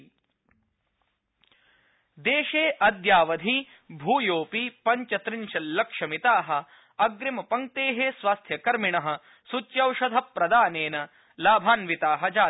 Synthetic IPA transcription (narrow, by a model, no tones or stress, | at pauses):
d̪eːʃeːʔɐd̪jaːʋɐd̪ʱi | bʱuːjoːpipɐɲt͡ʃɐt̪ɾiɲʃɐlɐkʂɐmit̪aːɦɐ̆ | ɐɡɾimɐpɐŋk̚t̪eːɦesʋaːst̪ʰjɐkɐɾmiɳɐɦɐ̆ | sut͡ʃjɐwʃɐd̪ʱɐpːɾɐd̪aːneːnɐ | laːbʱaːnʋit̪aːɦɐd͡ʒaː